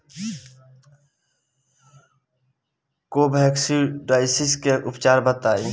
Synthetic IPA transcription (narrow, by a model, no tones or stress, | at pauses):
koːbʱɛːksiɖɾaːɪsɪskeʔʊpt͡ʃaːɾbət̪aːe